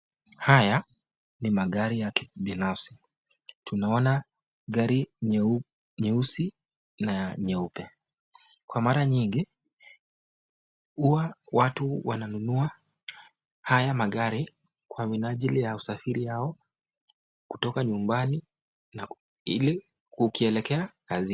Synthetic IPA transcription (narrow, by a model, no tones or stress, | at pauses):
haja | nimaɠaɾijakiɓinafsi̥ | tʰunaɔna | ɠaɾi | ɲɛusi | naɲɛupɛ | kwamaɾaɲiŋɡi | huwawatuwananunua | hajamaɠaɾi | kwaminaʄilijausafiɾijaɔ | kutɔkaɲumbani | na | ḭli | kukiɛlɛkɛakazi